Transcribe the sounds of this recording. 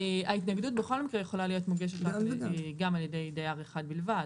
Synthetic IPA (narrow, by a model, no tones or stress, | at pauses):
eʔaitnaɡd̪utbe̞χo̞lmikʁejeχo̞lalijo̞tmuɡe̞ʃ̬etʁakɡamaljede̞jdajaʁeχad̚bilvad